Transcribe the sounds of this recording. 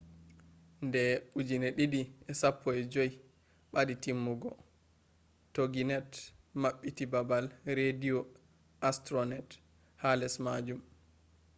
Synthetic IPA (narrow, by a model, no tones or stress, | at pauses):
ndɛud͡ʒinɛɗiɗiʔɛsapʰːɔɛd͡ʒoj | ɓaɗitimːuɡɔ̰ | toɡinɛtmaɓːitibabalɾediɔ | ʔastɾɔnɛt | halɛsmad͡ʒum